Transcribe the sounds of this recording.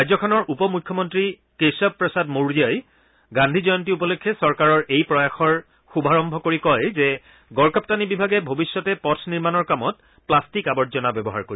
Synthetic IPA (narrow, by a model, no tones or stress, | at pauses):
ajzɔkʰɔnɔɹʔupɔmujkʰːɔmɔntɹi | kesɔppːɹɔsadmoɹijaj | ɡandʱizɔjɔntiup̬ɔlokʰːjɛsɔɹkaɹɔɹʔejpɹɔjaxɔɹ | xubaɹɔmbʱɔkoɹikɔjzɛ | ɡɔɹkap̚tanibibʱaɡɛbʱobisːɔtɛpɔtʰniɹmanɔɹkamɔt̚ | plastikabɔtzɔnabɛbɔɦa̰ɹkoɹi